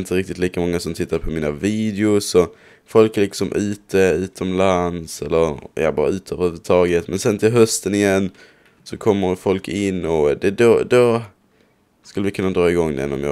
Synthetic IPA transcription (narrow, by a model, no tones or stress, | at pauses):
ɪnt̪əɾɪk̚t̪ɪt̪liːkamɔŋːasɔmt̪ʰɪt̪ːaɾpʰɔmiːnaviːd̪ɛʊsɔ | fɔlkɛlɪksɔmʔʉ̟ːt̪ʰəʉ̟ːt̪ʰɔmlansɛlːəɾjɑ̰bɑ̰ːɾa̰ʉ̟ːt̪ʰəəvhʉːvət̪ʰɑːɡət̪mɛnsɛnt̪ʰɪlɦœst̪ənɪjɛnː | sɔkʰɔmːəɾfɔlkʰɪnːɔd̪ɛd̪od̪o | skɵlːəvɪkʰɵnːad̪ɾɑːɪɡɔŋːd̪ɛ̰nːɔ̰mjɑ̰ː